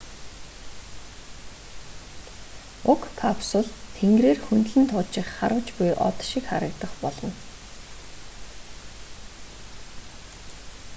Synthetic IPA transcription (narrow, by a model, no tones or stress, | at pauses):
ʊkʰːapsʊɮt̪ʰeŋɡreːrxunt̪ɮɘ̆nt̪ʰʊːt͡ɕɪ̆χːaɾə̆wt͡ɕpʊjʔɔ̰t̪ʃikχaɾə̆kt̪ə̆χpɔɮɞ̆n